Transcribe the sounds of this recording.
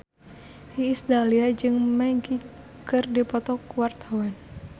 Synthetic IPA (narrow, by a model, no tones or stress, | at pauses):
hiːsd̪aliad͡ʒɨŋmɛŋɡi | kɨrdipɔt̪ɔkuwart̪ʰawan